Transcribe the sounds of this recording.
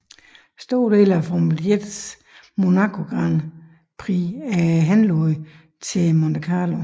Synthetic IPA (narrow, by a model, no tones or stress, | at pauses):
sd̥o̝ɐ̰d̥e̝̰ːlæfɒmeled̥s | mo̝nɑ̈kʰo̝ɡ̥ʁɑn | pʰʁiæɦænloðˠ | t͡sʰe̝mondʰəkʰɑːlo